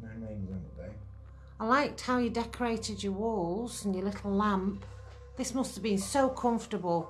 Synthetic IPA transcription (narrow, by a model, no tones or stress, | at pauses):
maɪmẽɪ̃nzɛ̃nəbeɪ | aɪlaɪk̚thaʊjədɛkʰə˞eɪtɪd͡ʒəwɔlˠz̥ə̃njəlɪtʰˡl̩ˠlãmp | ðɪsmʌstəvbĩnsoʊkʰʌ̃ɱftəbəlˠ